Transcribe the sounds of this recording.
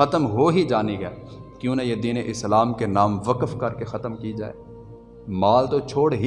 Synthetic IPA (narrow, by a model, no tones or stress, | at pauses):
ɐt̪əmɦoɦid͡ʒaːniɡɛːkjũːnajed̪iːneʔɪslaːmkenaːmʋəkəfkɐɾkexɐt̪əmkid͡ʒa̰ːḛː | maːlt̪ot͡ʃʰoːɽɦi